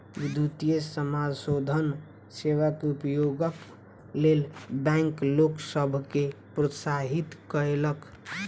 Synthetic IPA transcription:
ʋid̪ʱːut̪ijesəmad͡ʒsod̪ʱən | seʋakeupjoɡək | lelbɛ̃ŋkloksəbʱkepɾəsaɦit̪kəelək

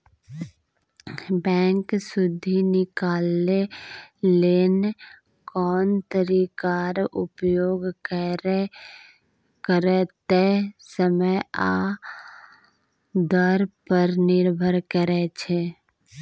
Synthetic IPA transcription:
bɛ̃ːŋksʊd̪ʱinɪkaːlːe | leːn | kɔːnt̪əɾikaːɾʊpjoːɡk | kəɾet̪esəməjaː | d̪əɾpəɾnɪɾbʱəɾkəɾet͡ʃʰeː

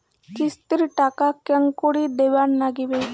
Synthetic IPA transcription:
kist̪iɾʈaːkakɐŋkoɽid̪eʋaːnnaɡibe

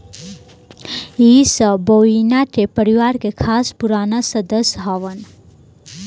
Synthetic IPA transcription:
isʌ̃bəinaʈepəɾiwaɾkekʰaspuɾanasəd̪əsɦɔʋən

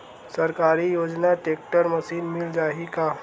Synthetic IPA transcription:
səɾkaɾiːjod͡ʑnaʈek̚ʈəɾməsiːnmild͡zaɦika

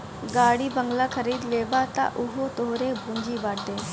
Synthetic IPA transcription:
ɡaːɽiːbəŋɡlaːkʰəɾiːd̪leːbaːt̪a̰ʔʊɦot̪oːɾeːbʱũːɲd͡ʒiːbaːɽd̪eː

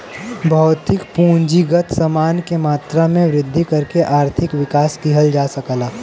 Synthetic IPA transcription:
bʱɐːt̪ɪkpũːɲd͡ʒiɡət̪ʰsɐmaːnkemaːt̪ɾamẽʋɾɪd̪ʱːikɐɾkeʔaːɾt̪ʰɪkʋɪkaːskiɦəld͡ʒaːsɐkəlaː

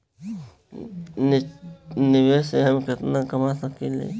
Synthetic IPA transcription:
n | nɪʋeːseɦəmkɪt̪nakəmasəkilḛ

